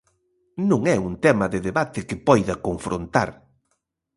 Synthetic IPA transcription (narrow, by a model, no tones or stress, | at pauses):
nũŋɛunt̪ɛmɐðɪðeβat̪ɪkɪpɔjðɐkoɱfɾʔont̪a̰ɾ